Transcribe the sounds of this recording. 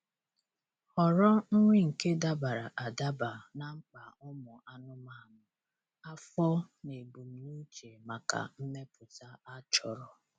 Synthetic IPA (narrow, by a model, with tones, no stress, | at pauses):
ɔ˨ɾɔ˦ŋ̩˦ŋʷi˦ŋ̩˨ke˦da˦ba˨ɾa˨ʔa˨da˦ba˨na˨ŋ͡m̩˦k͡pa˨ʊ˦mʊ˨ʔa˦nʊ˦ma˦˨nʊ˨ | a˦fɔ˦ne˨bu˨m̩˨ni˦t͡ʃe˨ma˨ka̰˨m̩˦me˦pʊ˨ta˦a˦t͡ʃɔ˨ɾɔ˨